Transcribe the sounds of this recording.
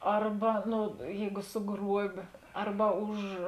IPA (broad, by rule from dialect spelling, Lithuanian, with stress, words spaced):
ˈɐrbɐ ˈnʊ ˈjɛɪɡʊ sʊˈɡruɔbʲeː ˈɐrbɐ ˈʊʃ